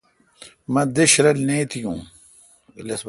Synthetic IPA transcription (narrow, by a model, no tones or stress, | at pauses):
mɐd̪ɪɕɾɐlneːt̪ʰijṵ̃ː | lɐsb